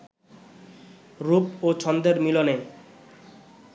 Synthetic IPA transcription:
ɾupot͡ɕʰɔnd̪eɾmilone

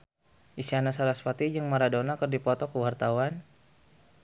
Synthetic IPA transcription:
ʔisianasaɾaspat̪id͡ʒəŋmaɾadonakərdipɔt̪ɔkəwart̪awan

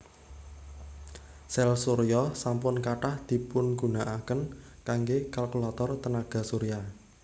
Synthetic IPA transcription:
sɛlsoɾijɔsampʊnkaʈahd̪̥i̤pʊnɡṳnaʔakənkaŋɡekalkulat̪ɔrt̪ənaɡ̥a̤suɾija

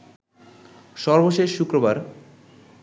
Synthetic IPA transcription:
ʃɔɾboʃeʃːukɾobaɾ

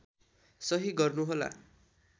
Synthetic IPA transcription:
sʌɦiɡʌrnuɦola̰

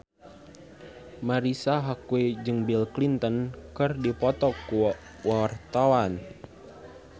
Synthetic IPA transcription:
maɾisaɦakued͡ʒɨŋbilklint̪ənkɨrdipɔt̪ɔkːu | wawart̪awan

